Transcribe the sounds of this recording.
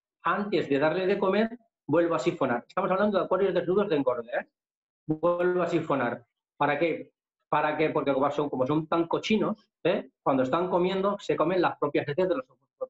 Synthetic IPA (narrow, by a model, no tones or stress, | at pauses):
ant̪e̞zðe̞ðaɾleðe̞ko̞me̞ɾ | bwe̞lβasifo̞naɾe̞st̪amoaβland̪oðekwaɾjo̞zðe̞znuð̞o̞zðeŋɡo̞ɾðee | be̞lβoasifo̞naɾ | paɾake̞ | paɾake̞po̞ɾkekoβaso̞ŋko̞mo̞s̬ont̪aŋko̞t͡ʃino̞s | ekwand̪oest̪aŋko̞mjẽ̞nd̪o̞se̞ko̞me̞nlaspɾo̞pjasesθeðe̞lo̞sokweɾt̪os